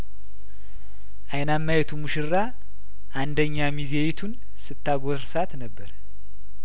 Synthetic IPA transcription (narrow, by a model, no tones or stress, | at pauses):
ʔajnamːajɛt̪ʰumuʃɨɾːa | ʔand̪əɲːamizejit̪ʰun | sɨt̪ːaɡoɾsat̪nəbːəɾ